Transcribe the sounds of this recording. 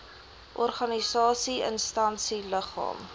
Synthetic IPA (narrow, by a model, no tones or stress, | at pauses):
ʔɔrχɐnisɑːsiə̰nstɐnsiləχɑ̰ːm